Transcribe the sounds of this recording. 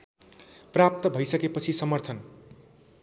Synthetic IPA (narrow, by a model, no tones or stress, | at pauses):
prap̚t̪ʌbʱʌjsʌkepʌt͡sʰisʌmʌrt̪ʰʌn